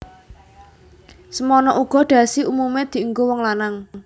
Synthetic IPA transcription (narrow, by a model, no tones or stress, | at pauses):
səmɔnɔʔuɡ̥ɔ̤ɖ̪̥ä̤siumumed̪̥i̤ŋɡowɔŋlanaŋ